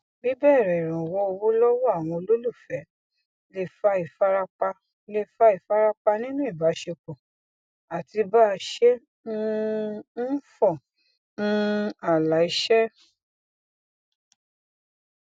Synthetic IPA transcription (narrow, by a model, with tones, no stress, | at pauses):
bi˦bɛ˦˨ɾɛ˨ɾã˨wɔ˦o˧wo˦lɔ˦wɔ˦a˦˨w̃ɔ̃˧o˧lo˦lu˦˨fɛ˨˦ | le˧˨fa˧i˨fa˦ɾa˧k͡pa˧ | le˧˨fa˧i˨fa˦ɾa˧k͡pa˧nĩ˦nũ˦i˦˨ba˨˦ʃe˧k͡pɔ̃˨ | a˨ti˧ba˦˧ʃe˦ | n̩˦n̩˦fɔ˦˨ | nũ˦a˦˨la˨˦i˨˧˦ʃɛ˦